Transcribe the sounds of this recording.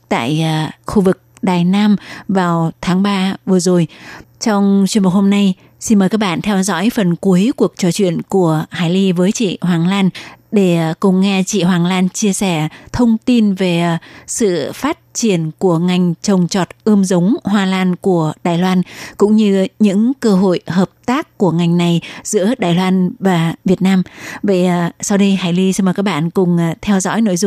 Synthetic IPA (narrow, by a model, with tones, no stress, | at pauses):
t̪a̰ː˧˨jxu˧vɨ˨˩k̚ɗaː˨˩jnaː˧mvaː˨˩wt̪ʰaː˨˦ŋɓaː˧vɨ˨˩əzo˨˩jt͡ɕɔ˧wŋ͡mt͡ɕwnm̚˨˩ho˧mna˧j | si˧nməː˨˩jkaː˦˥k̚ɓa̰ː˧˨nt̪ʰɛ˧wzɔ̰˧˥jfə˨˩nku˨˦jku˨˩ək̚t͡ɕɔ˨˧˩t͡ɕwḭ˧˨ənku˧˩əhaː˨˦jli˧vəː˨˦jt͡ɕḭ˧˨ɦwaː˨˩ŋlaː˧nɗe˧˩kʊ˨˩ŋ͡mŋɛ˧t͡ɕḭ˧˨ɦwaː˨˩ŋlaː˧nt͡ɕi˧əsɛ˧˩t̪ʰə˧wŋ͡mt̪i˧nve˨˩sɨ̰˧˨faː˦˥t̚t͡ɕi˧˩ənku˧˩əŋa˨˩jŋ̟t͡ɕə˨˩wŋ͡mt͡ɕɔ˨˩t̚ʔəː˧mzə˨˦wŋ͡mɦwaː˧laː˧nku˧˩əɗaː˨˩jlwaː˧nkʊ̰˧˥ŋ͡mɲɨ˧ɲɨ̰˧˥ŋkəː˧ɦo̰˧˨jɦəː˨˩p̚t̪aː˦˥kːu˧˩əŋa˨˩jŋ̟na˨˩jz̥ɨ̰˧˥əɗaː˨˩jlwaː˧nvaː˨˩vi˨˩ət̚naː˧mvə̰˧˨jsa˧wɗi˧jɦaː˨˩jli˧si˧mə˨˩ka˦˥k̚ɓa̰ː˧˨nkʊ˨˩ŋ͡mt̪ʰɛ˧wzɔ̰˧˥jno̰˧˨jzʊ̰˧˨